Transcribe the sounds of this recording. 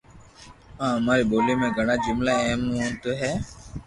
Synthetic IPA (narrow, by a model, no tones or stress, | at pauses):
ɦãːɦəmaːɾiːboːlimẽːɡʱəɽ̃aːd͡ʒʊmlaːɛɦmont̪oːɦɛː